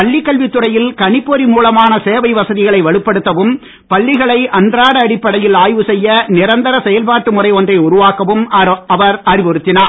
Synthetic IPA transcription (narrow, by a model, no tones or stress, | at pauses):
ɐɭːɪkːɐɭʋɪt̪ːɯrɐjɪlkɐɳɪpːɔɾimuːlɐmaːnɐseːʋɐɪʋɐsɐðɪɣɐɭɐɪʋɐɭɯpːɐɽɯt̪ːɐʋɯm | pɐɭːɪɣɐɭɐɪʔɐndraːɽɐːɽɪpːɐɽɐjɪlaːjʋɯsɛjːɐnɪɾɐnd̪ɐɾɐsɛjɐlpaːʈːɯmʊrɐɪɔndrɐɪʊɾʊʋaːkɐʋɯmɐʋɐɾɐɾɪʋɔɾɯt̪ːɪnaː